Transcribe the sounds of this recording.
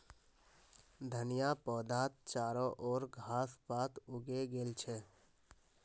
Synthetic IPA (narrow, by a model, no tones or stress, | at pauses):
d̪ʱənijapɔːd̪ʱat̪̚t͡ʃaːɾɔʔɔːɾɡʱaːspat̪uɡeɡeːlt͡ʃʰɛ